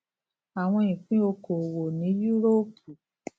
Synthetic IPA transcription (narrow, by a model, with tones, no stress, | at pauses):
a˨w̃ɔ̃˧ĩ˨k͡pĩ˦o˧ko˨wo˨nĩ˨˦ju˦ɾo˦pʰu˨